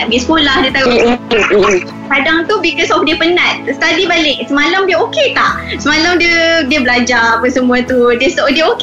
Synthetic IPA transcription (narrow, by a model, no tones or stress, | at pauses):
ɡəsəkolahdiət̪a | kadaŋt̪ubikɔsɔfdeəpənãt̪̚st̪adibalɪksəmalamdiəoket̪aʔsəmalamdiədiəbəlad͡ʒaapəsəmũat̪udisɔdiəok